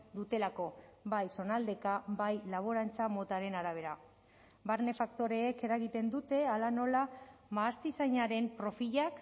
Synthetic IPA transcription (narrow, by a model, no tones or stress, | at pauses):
d̪ut̪e̞lako̞bajso̞nald̪e̞kabajlaβ̞oɾant͡samo̞t̪aɾe̞naɾaβ̞e̞ɾa | baɾne̞fakt̪o̞ɾe̞ːke̞ɾaɣit̪e̞nd̪ut̪e̞alano̞lamaːst̪isaɲaɾe̞mpɾo̞fiʎak